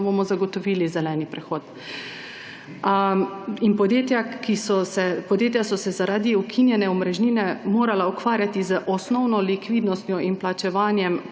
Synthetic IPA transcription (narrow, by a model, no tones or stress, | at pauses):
bomɔzaɡɔt̪ɔʋiːlizɛlɛːnipɾɛxoːt̪ | inpɔd̪jeːt̪jakisɔsɛpɔd̪jeːt̪̬ʲjasɔsɛzaɾaːd̪iukʰinjɛnɛɔmɾɛʒniːnɛmoːɾalaukʋaːɾjat̪izəʔɔsnɔwnɔlikʋiːd̪nɔst̪jɔinplat͡ʃɛʋaːnjɛm